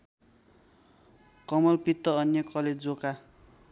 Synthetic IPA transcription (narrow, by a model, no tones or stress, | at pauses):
kʌmʌlpit̪ːʌʌnjʌkʌled͡zd͡zoka